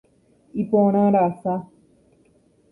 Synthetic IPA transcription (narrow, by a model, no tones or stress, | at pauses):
ipoɽ̃ãɾasa